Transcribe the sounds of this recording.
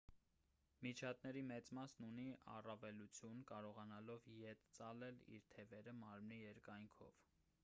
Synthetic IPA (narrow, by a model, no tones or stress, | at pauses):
mit͡ʃʰɑt̪nɛɾimɛt͡smɑsnuniɑ̰rɑvɛlut͡sʰjunkɑɾɔʁɑnɑlɔvjɛt̪t͡sɑlɛlḭɾt̪ʰɛvɛɾəmɑɾmnijɛɾkɑjŋkʰɔ̰v